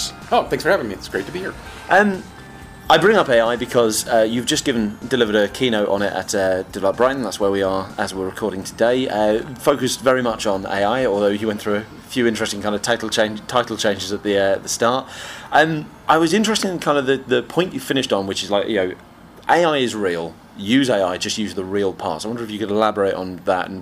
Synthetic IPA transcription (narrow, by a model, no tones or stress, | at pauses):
oʊθæ̃ŋsfə˞havɪ̃ŋmiɪtsɡ̥ɹeɪtʰəbihiɹ | ʔʌ̃m | aɪbɹɪ̃ŋʌpeɪaɪbɨkʰɒzʌjɨvd͡ʒʌsɡ̥ɪvə̃n̩dɪlɪvəɾəkʰiːnoʊʔn̩ɪtə̰tʌd̥ɪvlət̚b̥ɹaɪʔn̩ðatswəwiə˞əzwɪəɹəkʰɔɹɾɪ̃ŋtʰədeɪʌfoʊkɨsvɛɹimʌt͡ʃn̩ḛɪaɪɔːlˠðoʊjiwɛ̃nθɹʉə | fjʉːɪ̃nt͡ʃɹ̥ɛstɪ̃ŋkãɪ̃ndə̥vtʰaɪtˡl̩ˠt͡ʃʰẽɪ̃ntʰaɪtˡl̩ˠt͡ʃʰẽɪ̃nd͡ʒɪzəʔ̪̚ðiʌʔðəstɑɹtʌ̃mʔaɪwɒzɪ̃nt͡ʃɹ̥ɛstɪ̃ŋɪ̃n̩kʰãɪ̃ndəvðəðəpʰɔ̃ɪ̃nt͡ʃɨ̥fɪ̃ñɪʃtn̩wɨt͡ʃɪzlaɪkjɨoʊ | ʔeɪaɪɪzɹiːəlˠ | jʉːzeɪaɪd͡ʒʌstjʉzðəɹiːlˠpʰɑ̰ˑtsaɪwʌ̃ndəɹɪfjəkəɾɪlabə˞eɪʔn̩ðə̰tə̰̃n̩